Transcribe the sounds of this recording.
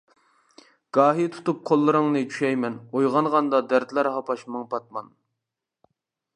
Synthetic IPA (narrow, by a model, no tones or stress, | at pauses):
ɡ̥ɑːɦit̪ʰu̥t̪up̚qʰolˠːɨɾɨŋnɨt͡ʃʰy̥ʃɛjmɛnojʁɑnʁɑnd̪ɑd̪æɾd̪læɾhɑpɑʃmɨŋpʰɑt̪̚mɑn